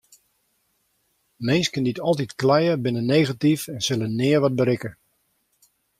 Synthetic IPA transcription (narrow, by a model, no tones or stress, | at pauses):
mɪnskənditɔlˠt̬itklɛjəbɪnənejɣatifɛnsɪlənɪːəɹʋɑd̚bəɾɪkə